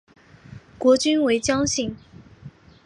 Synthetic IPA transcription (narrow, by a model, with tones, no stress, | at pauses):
kwɔ˧˥t͡ɕy˥nwe˧˥ɪt͡ɕjɑ˥ŋɕi˥˩ŋ